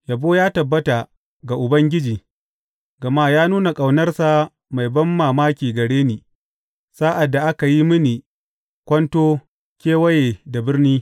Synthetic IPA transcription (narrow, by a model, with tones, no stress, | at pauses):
ja˨boː˦jaː˦tɐ˨bːɐ˦ta˨ | ɡa˨ʔʊ˨bɐ˦ŋɡʲɪ˦d͡ʒiː˨ | ɡɐ˨maː˦jaː˦nuː˦na˨kʼa˨wnɐ˦rsa˨ | ma˨jbɐ˦mːaː˨maː˦kʲiː˨ɡɐ˨ɽeː˦niː˨ | saː˦ʔa˨dːa˨ʔa˦ka˨ji˦mɪ˦ni˨ | kʷɐ˦ntoː˦ | kʲeː˦wɐ˦jeː˨da˨bɪ˦rniː˦